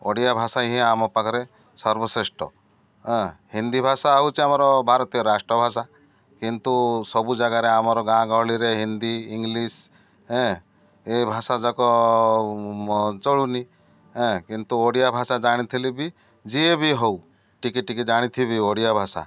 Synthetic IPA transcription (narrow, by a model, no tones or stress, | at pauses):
oɽijabʱasaɦĩamɔpakʰɔɾe | sɔɾbɔsɾesʈɔ̰ | ɦɛ̃hind̪ibʱasaaɦut͡ʃiamɔɾɔbʱaɾɔt̪ijɔɾasʈɾɔbʱasa | kint̪usɔbud͡ʒaɡaɾeamɔɾɔɡãɡɔɦɭiɾeɦind̪iːŋɡlis | ɦɛ̃ | ebʱasad͡ʒɔkɔ | t͡ʃɔɭuni | ɦɛ̃kint̪uoɽijabʱasad͡ʒaɽ̃it̪ʰilibi | d͡ʒiebʱiɦɔw | ʈikiʈikid͡ʒaɽ̃it̪ʰibʱioɽijabʱasa̰